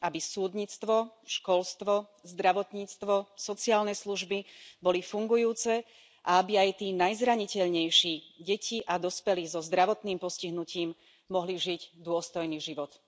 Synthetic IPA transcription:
ʔabisuːd̪ɲiːt͡st̪ʋɔʃkɔlst̪ʋɔ | zd̪ɾaʋɔt̪ɲiːt͡st̪ʋɔsɔt͡siaːlnɛsluʒbibɔlifuŋɡujuːt͡sɛ | ʔaabiajt̪iːnajzɾaɲicɛʎɲɛjʃiːɟɛciʔad̪ɔspɛliːzɔzd̪ɾaʋɔt̪niːmpɔsciɦnuciːm | mɔɦliʒiɟd̪ʊɔst̪ɔjniːʒiʋɔt̪

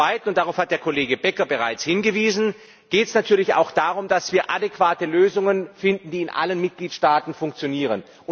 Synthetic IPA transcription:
aɪtn̩ʊnt̚d̥aʁaʊfhat̚d̥eːɐkʰoleːɡəbɛkɐbəʁaɪt͡shɪnɡəviːzn̩ | ɡ̥eːtɛsnatʰyːɐlɪça̰ʊxd̥aːʁʊmdasv̥iːɐʔadekv̥aːtəløːzʊŋənfɪndn̩diːɪnʔa̰lənmɪt̚ɡ̥liːtʃtaːtn̩fʊŋk̚t͡sjoniːʁ̞ən | ʔʊ

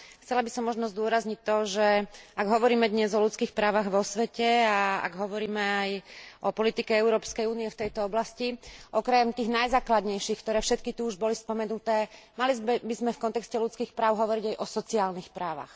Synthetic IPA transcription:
xt͡sɛlabisɔmːɔʒnɔzd̪ʊɔɾazɲic̚t̪ːɔʒɛaɡɦɔʋɔɾiːmɛd̪ɲɛzɔlut͡skiːxpɾaːʋaɣʋɔsʋɛcɛaa̰ɡɦɔʋɔɾiːmɛajɔpɔlit̪ikɛɛʊɾɔːpskɛjuːniɛft̪ɛjt̪ɔɔblasciʔɔkɾɛmt̪iːɣnajzaːklad̪ɲɛjʃixkt̪ɔɾɛːfʃɛt̪kit̪uuʒbɔlispɔmɛnut̪ɛːmalizɛbizmɛfkɔnt̪ɛkscɛlut͡skiːxpɾaːʊɦɔʋɔɾiɟajʔɔsɔt͡siaːlnixpɾaːʋa̰x

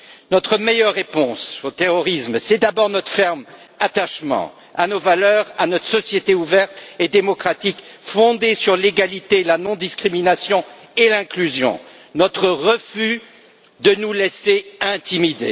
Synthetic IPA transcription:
nɔt̪χəmejœʁːepɔ̃sot̪eʁɔʁismsɛd̪abɔʁnɔt̪χə̥fɛʁm | at̪aʃmɑ̰̃ | anovalœʁanɔt̪χə̥sɔsjet̪euvɛʁt̪ed̪emɔkχat̪ikfɔ̃d̪esyʁleɡalit̪elanɔ̃d̪iskχiminasjɔ̃ | elɛ̃klyzjɔ̰̃ | nɔt̪χəʁəfy | d̪ənulɛseɛ̃t̪imid̪ḛ

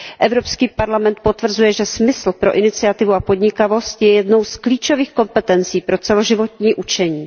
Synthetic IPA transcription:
ʔɛvɾo̞pskiːpaɾlamɛnt̪̚po̞t̪vr̩zujɛʒɛsmɪsl̩pɾo̞ʔɪnɪt͡sɪat̪ɪvuapo̞dɲɪkavo̞st̪jɛjɛdno̞wskliːt͡ʃo̞viːxko̞mpɛt̪ɛnt͡siːpɾo̞t͡sɛlo̞ʒɪvo̞t̪ɲiːʔut͡ʃɛɲiː

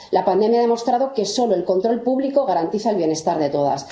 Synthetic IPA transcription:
lapand̪e̞mjaðemo̞st̪ɾaðo̞ke̞so̞lo̞e̞lko̞nt̪ɾo̞lpuβliko̞ɣaɾant̪iθaelβje̞ne̞st̪aɾðe̞t̪o̞ð̞a̰s

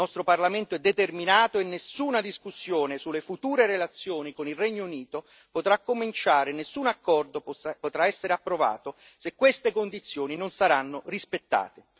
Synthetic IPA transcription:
nɔst̪ɾoparlament̪oɛd̪ːet̪erminaːt̪oenːesuːnad̪iskusːjoːnesulːefut̪uːɾeɾelat̪sːjoːnikonilrɛɲːouniːt̪o | pot̪ɾakːomint͡ʃaːɾɪnesːunakːɔrd̪opot̪ɾaɛsːeɾeapːɾova̰ːt̪o | sekːwest̪ekond̪it̪sːjoːninonsaɾanːorispet̪ːa̰ːt̪e

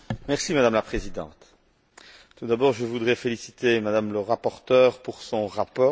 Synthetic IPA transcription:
mɛʁsimad̪amlapχezid̪ɑ̰̃t̪ | t̪ud̪abɔːʁʒəvud̪ʁɛfelisi̥t̪emad̪amləʁapɔʁt̪œːʁpuʁsɔ̃ʁapɔː

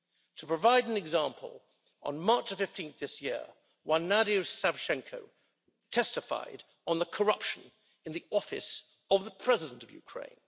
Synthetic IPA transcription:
tʰəpɹ̥əvaɪɾn̩ɨɡzæ̃mpʰə̰lˠ | ə̰̃nmɑɹt͡ʃðəfɪftʰĩnθðɪsjɪ̰ɹ | wãnæɾisaɹʃɛ̃ŋkʰoʊ | tʰɛstɨfa̰ɪɾ | n̩ðəkʰə˞ʌpʃɨ̃n | ɨ̃nðiɔfɨ̰s | ʌvðəpʰɹ̥ɛzɨɾə̃n̩tʌvjʉ̰kʰɹ̥ḛ̃ɪ̃n

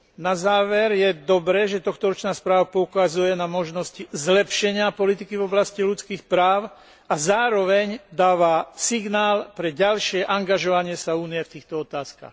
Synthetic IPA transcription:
nazaːʋɛɾjɛd̪ɔbɾɛʒɛt̪ɔxt̪ɔɾɔt͡ʃnaːspɾaːʋapɔukazujɛnamɔʒnɔsczlɛpʃɛɲɪapɔlit̪ikivɔblascilut͡skiːxpɾaːʊ | azaːɾɔʋɛɲd̪aːʋasiɡnaːlpɾɛɟalʃɪɛʔaŋɡaʒɔʋaɲɪɛsauːnijɛft̪iːxt̪ɔɔt̪aːska̰ːx

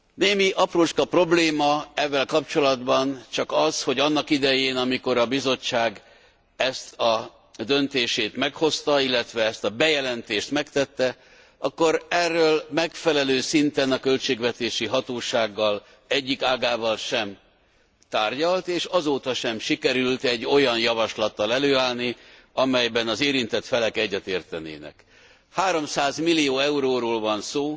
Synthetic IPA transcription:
neːmiʔɒproːʃkɒpro̞bleːmɒɛvːɛlkɒp̚t͡ʃo̞lɒd̪bɒnt͡ʃɒkɒzho̞ɟɒnːɒkid̪ɛjeːnɒmiko̞ɾɒbizo̞t͡ʃːaːɡ | ɛst̪ɒ | d̪ø̞nt̪eːʃeːt̪mɛkho̞st̪ɒilːɛt̪ʋɛɛst̪ɒbɛjɛlɛnt̪eːʃt̪mɛkt̪ɛt̪ːɛ | ʔɒkːo̞ɾɛrːøːlmɛkfɛlɛløːsint̪ɛnɒkølt͡ʃeːɡvɛt̪eːʃiɦɒt̪oːʃaːɡːɒl | ɛɟːikaːɡaːvɒlʃɛm | t̪aːrɟɒlt̪eːʃɒzoːt̪ɒʃɛmʃikɛɾylt̪ɛɟːo̞jɒnjɒvɒʃlɒt̪ːɒlɛløːaːlni | ɒmɛjbɛnɒzeːɾint̪ɛt̪fɛlɛkɛɟːɛt̪eːrt̪ɛnḛːnɛ̰k | haːɾo̞msaːzmilːijoːɛuɾoːɾoːlvɒnsoː

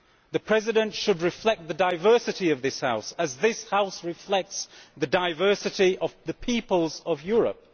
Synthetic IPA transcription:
ðɨpʰɹ̥ɛzɪɾɨ̃ntʃɨd̚ɹɨflɛk̚t̪̚ðɨdaɪvɜˑ˞sɨɾiʌvðɪshaʊsəzðɪshaʊsɹɪflɛk̚tsðɨdaɪvɜˑ˞sɨɾiʔʌvðəpʰipəlˠzəvjɔɹə̰p̚

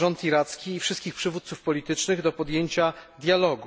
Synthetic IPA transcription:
ɔnt̪iɾat̪skʲiːfʂɘst̪kʲixpʂɘvut̪sufpɔlʲit̪ɘt͡ʂnɘɣd̪ɔpɔd̪jeɲt͡ɕad̪jalɔɡu

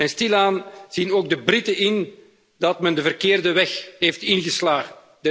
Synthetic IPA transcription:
ɛnstilaːnz̥inoːɡ̚dəbrɪtəʔɪn | dɑtmɛndəvərkɪːrdəʋɛxɦeːftɪnɣəslaːɣən | də

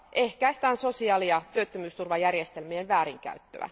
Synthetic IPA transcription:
ʔehkæist̪æːnso̞siɑːliɑt̪yøt̪ːømyːst̪urʋɑjærjest̪elmienʋæːɾiŋkæ̰yt̪ːø̰æ̰

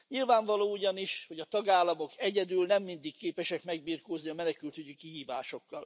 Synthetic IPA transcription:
ɲilvaːɱvɒloːuɟɒniʃho̞ɟɒt̪ɒɡaːlːɒmo̞kɛɟɛd̪ylnɛmːind̪ikːeːpɛʃɛkmɛɡ̚biːrkoːzniɒmɛnɛkylt̪øɟikiɦiːvaːʃo̞kːɒl

